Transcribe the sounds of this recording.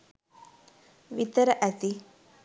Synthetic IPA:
ʋit̪əɾəʔæt̪i

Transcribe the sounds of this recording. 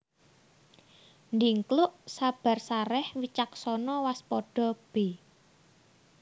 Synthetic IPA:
nd̪iŋklʊʔsab̥a̤rsaɾɛhwit͡ʃaksɔnɔwaspɔɖ̥ɔ̤b̥e

